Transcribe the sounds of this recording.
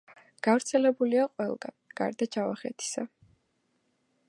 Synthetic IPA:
ɡ̥avɾt̪sʰɛlɛbuliaqʼwɛlˠɡa̰nɡ̥a̰ɾd̪at͡ʃʰavaχɛt̪ʰi̥sa

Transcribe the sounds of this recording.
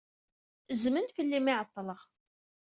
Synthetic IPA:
zmənt̪fəlːimiʕət̪ˤːləʁ

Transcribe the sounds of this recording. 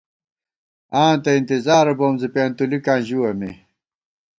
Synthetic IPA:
ãːnt̪ɐint̪izaːɾɐboːmzipeːnt̪ulikãːʑuwɐmi

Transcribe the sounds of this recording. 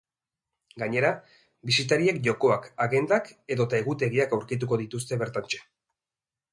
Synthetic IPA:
ɡaɲe̞ɾa | bisit̪aɾie̞k̚ʝo̞ko̞akaɣe̞nd̪ake̞ðo̞t̪ae̞ɣut̪e̞ɣiakawɾkit̪̬uko̞ðit̪ust̪e̞βe̞ɾt̪ant͡ʃe̥

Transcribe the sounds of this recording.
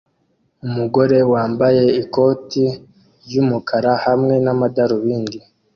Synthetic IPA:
umuɡo̞ɾe̞waːmbaje̞iko̞ːti | ɾjumukʰaɾahamŋe̞namadaɾuβiːndi

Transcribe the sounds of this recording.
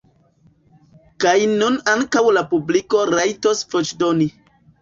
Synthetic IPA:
kajnunaŋkawlapubliko̞ɾajtosfot͡ʃdoni

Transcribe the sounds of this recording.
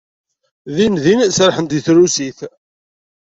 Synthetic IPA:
ðinðinsɾħənd̪iθɾusiθ

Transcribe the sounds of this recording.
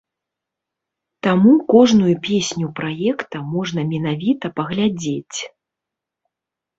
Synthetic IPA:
t̪amukɔʐnujupʲesʲnʲupɾajɛkt̪ɐmɔʐnɐmʲɛnavʲit̪ɐpɐɣlʲad͡zʲet͡sʲ

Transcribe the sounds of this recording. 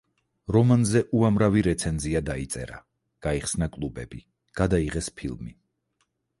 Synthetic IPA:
ɾɔmanzɛʔuamɾaviɾɛt̪sʰɛnziad̪ait̪sʼɛ̰ɾa̰ | ɡ̥aiχsnakʼlˠubɛbi | ɡ̥ad̪aiʁɛspʰilˠmi

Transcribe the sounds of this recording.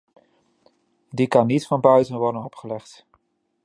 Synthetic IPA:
dikɑnːitfɑnbœɥtənʋɔɹdənɔpχəlɛχt

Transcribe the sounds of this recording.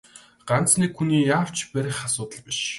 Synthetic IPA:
ɢ̥ant͡snikxuniːjaːw̥t͡ɕpæɾʲɪ̆χasʊːt̪ə̆ɮpiʃ

